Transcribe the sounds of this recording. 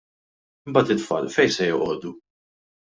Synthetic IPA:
ɪmbɐːt̪ɪt̪fɐ̰ːlfɛjsɛjɔʔɔːd̪u

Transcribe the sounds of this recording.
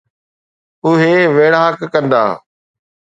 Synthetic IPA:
ʊɦeʋeːɽaːkːɐ̃nd̪a̰ː

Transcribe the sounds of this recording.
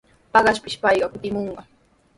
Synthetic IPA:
pɑɢɑʃpɪʃpɑjɢɑkʊt̪ɪmoɴɢɑ

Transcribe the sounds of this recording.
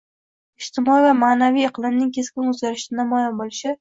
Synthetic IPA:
ɪʃt̪ɪmɒivamaːnavijɨqʰlˠɪmnɪŋkʲʰe̞skʲɪnɵzɡʲaɾɪʃt̪anamɒjɒnbolɪʃɪ

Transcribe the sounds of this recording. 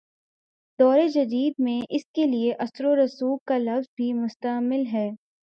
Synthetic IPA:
d̪ɔːɾed͡ʒɐd̪iːd̪̚mẽʔɪskelieʔɐsɾoɾɐsuːɡkalɐfzbʱimʊst̪əmɪlɦɛː

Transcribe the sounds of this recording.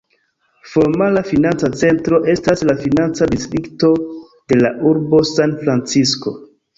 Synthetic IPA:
fo̞ɾmalafinant͡sat͡se̞ntɾo̞ʔe̞staslafinant͡sadistɾikto̞ | d̥e̞laʔuɾbo̞sanfɾant͡sisko̞

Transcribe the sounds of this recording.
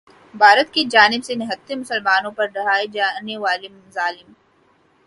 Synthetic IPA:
bʱaːɾət̪kid͡ʒaːnɪbsenɪɦɐt̪ːemʊsəlmaːnõpɐɾɖɐɽaːed͡ʒaːneʋaːlimzaːlɪm

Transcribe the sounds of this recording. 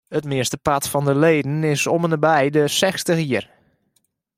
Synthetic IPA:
ətmɪəstəpatfɔndəleːdən̩ɪsomənəbɛjdəsɛxstəxiər

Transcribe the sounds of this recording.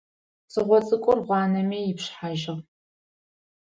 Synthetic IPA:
sɨʁʷɔt͡sʼɨkʷʼɔrʁʷɑːnɐmiːjɪpɕħaʒɪʁ

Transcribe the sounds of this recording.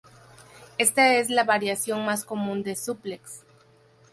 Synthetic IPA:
e̞st̪ae̞zlaβaɾjasjo̞ŋmasko̞mũnd̪e̞supleks

